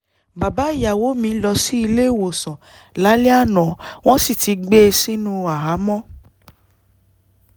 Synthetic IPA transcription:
ba˨ba˨˦i˦˨ja˨wo˨˦mĩ˧˦lɔ˧si˦i˧le˦˨wo˨sɔ̃˨ | la˨˦le˦a˦˨nɔ̃˨w̃ɔ̃˦si˦˨ti˨˧˦ɡ͡be˦˧si˦nũ˦a˨ɦa˨˦mɔ̃˦

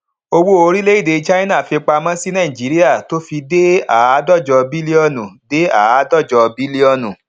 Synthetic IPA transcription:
o˧wo˦o˧ɾi˦le˦i˦˨de˨˧t͡ʃa˦i˦nã˦˨fi˧k͡pa˧mã˦si˦nã˦ĩ˨d͡ʒi˨˦ɾi˦a˦˨to˦fi˧de˦a˨˦dɔ˦˨d͡ʒɔ˧bi˦li˦ɔ˦˨nũ˨de˦a˨a˨˦dɔ˦˨d͡ʒɔ˧bi˦li˦ɔ˦˨nũ˨

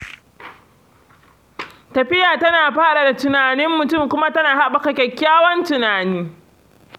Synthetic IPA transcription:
tɐ˨ɸɪ˦jaː˨tɐ˦naː˨ɸaː˦ɾa˨da˨tʊ˨naː˨nɪ˦mːʊ˨tʊ˦mkʷʊ˦ma˦tɐ˦naː˨ha˦ɓa˨ka˨kʲɛ˨kʲːaː˦wɔ˦ntʊ˨naː˨niː˦

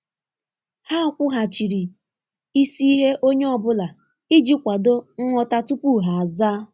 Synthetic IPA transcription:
ha˦ɔ˦kʷʊ˦ɦa˨t͡ʃi˨ɾi˨ | i˦si˦i˦ɦe˦ʔo˦ɲe˦ɔ˦˨bʊ˦la˨ | ɪ˦d͡ʒi˦kʷa˨do˦ŋ̩˦ŋʷɔ˦ta˦tu˦pu˦˨ɦa˨a˨zaː˦

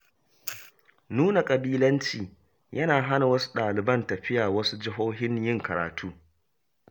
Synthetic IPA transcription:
nuː˦na˨kʼɐ˨biː˦lɐ˦nt͡ʃiː˨ | jʔɐ˦naː˨ɦa˦na˨wɐ˦su̥˦ɗaː˨lɪ˨bɐ˦ntɐ˨ɸɪ˦jaː˨wɐ˦su˦d͡ʒɪ˦ɦoː˦ɦɪ˦ɲjɪ˦ŋkɐ˨ɾa̰ː˨tʰuː˦

